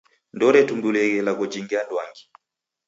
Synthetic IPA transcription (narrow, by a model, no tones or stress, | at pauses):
ndɔɾɛtumbulɛɡɛlakɔd͡ʒiŋɡiandwaŋɡi